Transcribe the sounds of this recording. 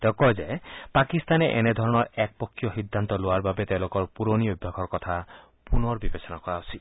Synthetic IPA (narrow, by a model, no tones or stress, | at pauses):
t̪ekɔd͡ʒepakist̪aneʔened̪ʱɔɾɔɽ̃ɔɾɛk̚pɔkʰːjɔɦid̪ʱːant̪ɔloaɾbabet̪elokɔɾpuɾoniubʱːjɔkʰɔɾkɔt̪ʰa | punɔɾbibesɔnakɔɾaɔsʰi